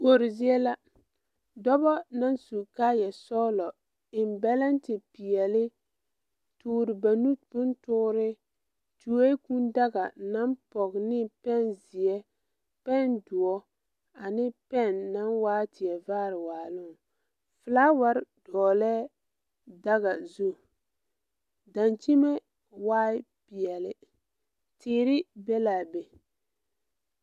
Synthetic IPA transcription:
bo˨˦ɾɪ˨zi˦ɛ˦la˦ | dɔ˦bɔ˦na˦nsu˨ka˦jɛ˨sɔ˦lɔ˨ | ɪ˨mbɛ˦lɛ˦ntɪ˨pi˨jɛ˨lɪ˦ | tuː˦ɾɪ˨ba˨nu˦bʊ˦ntʊ˦ɾɪ˦ | tu˨e˦ku˦nda˦ɡa˨na˦npɔ˨ɡnɪ˦pɛ˦nzɪ˨ɛ˦ | pɛ˦˨ndʊ˨ɔ˦ | a˨nɪ˦pɛ˦˨nːa˦nwaː˦tɪ˨ɛ˨vaː˦ɾɪ˨waː˨lʊ˦˨ | fɨ˨laː˦wa˦ɾd̥ɔː˨lɛː˦ | da˦ɣa˨zu˦˨ | da˨nt͡ʃi˦mɛ˦ | waː˦ɪ˦ | pɪ˨ɛ˨lɪ˨ | tɪː˨˦ɾɪ˦bɛ˦la˨be˨

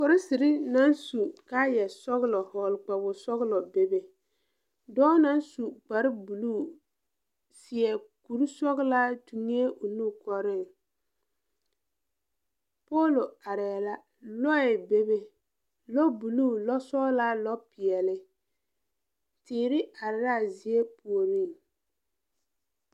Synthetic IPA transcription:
kɔ˨ɾɪ˦si˨ɾɪ˦na˦nsu˨ka˦jɛ˨sɔ˦ɣlɔ˨hɔ˨lk͡pa˨bʊ˨sɔ˦ɣlɔ˨be˨be˨ | dɔː˦na˦nsu˨k͡pa˨ɾɪ˦bu˨luː˦˨ | sɪ˨ɛ˨ku˨ɾsɔ˦ɣla˦tu˨ŋ˦e˦ʔo˨nu˦kɔ˦ɾɪ˦˨ | pɔː˦lo˨a˨ɾɛ˨ɛ˨la˦ | lɔ˦ɪ˨be˦be˦ | lɔ˦bu˨luː˦˨lɔ˦sɔ˦la˦lɔ˦pɪ˨ɛ˨lɪ˦ | tɪː˨ɾɪ˦ʔa˨ɾɪ˦ɾa˦˨zi˨e˦pu˨o˨ɾi˦˨ŋ

